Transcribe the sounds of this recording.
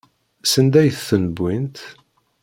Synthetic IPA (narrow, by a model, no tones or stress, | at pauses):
sənd̪æjθθənəbːint̪